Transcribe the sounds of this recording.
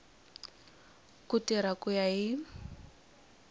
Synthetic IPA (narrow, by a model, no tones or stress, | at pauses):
kʊtiɾakʊjaɪ